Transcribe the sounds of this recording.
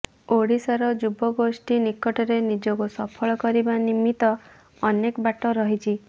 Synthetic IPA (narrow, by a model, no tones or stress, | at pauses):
oɽisaɾɔd͡ʒubɔɡosʈinikɔʈɔɾenid͡ʒɔkusɔpʰɔɭɔkɔɾibanimːit̪ɔː | nekbaʈɔɾɔɦit͡ʃʰi